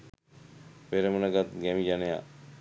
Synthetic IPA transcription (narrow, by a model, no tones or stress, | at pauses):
peɾəmənəɡat̪ɡɛmid͡ʒaneja̰